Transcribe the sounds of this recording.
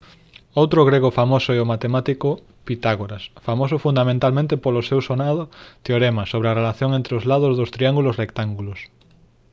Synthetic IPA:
owt̪ɾʊɣɾeɣ̞ʊfamosʊɛomat̪emat̪ikʊ | pit̪aɣoɾasfamosʊfund̪amẽnt̪almẽnt̪ɪpolʊsewsonaðʊt̪eoɾɛmɐsoβɾeɐrelaθjoŋent̪ɾɪʊzlaðʊzðʊst̪ɾiaŋɡulʊsrekt̪aŋɡulʊs

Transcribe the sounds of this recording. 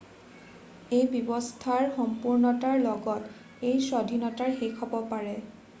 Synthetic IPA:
ejbibɔstʰaɹxɔmpuɹnɔtaɹlɔɡɔt | ejsɔdʱinɔtaɹxekʰɔbɔpaɹɛ

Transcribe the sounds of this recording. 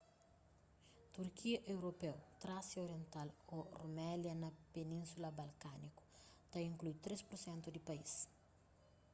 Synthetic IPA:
t̪uɾkʰiɐʔewɾopewt̪ɾasioɾiẽnt̪alorumɛljɐnɐpenĩnsulɐbɐlkaniku̥ | t̪aĩŋklut̪ɾespuɾsɛ̃nt̪ud̪ipais

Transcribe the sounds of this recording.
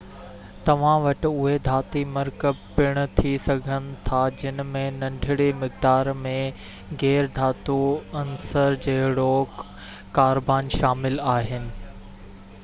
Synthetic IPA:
t̪ɐʋ̤ãʋɐʈɪ̆ʊɦed̪ʱaːt̪imɐɾkəpɪɽ̃ʊ̆t̪ʰisɐɡʱənɪ̆t̪ʰad͡ʑɪnəmẽnɐ̃ɳɖʱɪɽemɪkd̪aːɾmẽ | ɣɛːɾd̪ʱaːt̪uɐnsəɾd͡ʑɐɦɪɽo | kaːɾbaːnʃaːmɪlaːɦɪnɪ̆

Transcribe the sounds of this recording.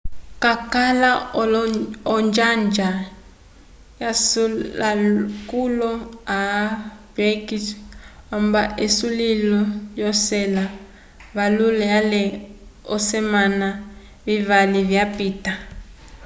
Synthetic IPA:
kakala | ɔnd͡ʒand͡ʒa | jasuakulɔab̥ɾekitɔmbaʔesulilɔjɔsɛla | βalulɛjalɛɔsɛmana | βivaliβjapiːta

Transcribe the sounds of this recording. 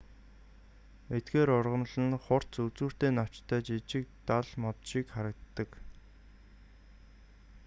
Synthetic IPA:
et̪ɡeːɾʊrʁə̆nɮə̆nχʊr̥tt͡sut͡suːr̥t̪eːnɔw̥t͡ɕt̪ʰæːt͡ɕit͡ɕɪ̆k̚t̪aɮmɔt̪ʃiːkχaɾə̆k̚t̪ːə̆k

